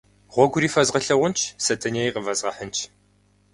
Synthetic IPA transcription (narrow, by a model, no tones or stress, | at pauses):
ʁʷɔɡʷʊɾiːfɐzʁɐɬɐʁʷʊnt͡ʃʰsɐtʰɐnejqəvɐzʁɐħənt͡ʃʰ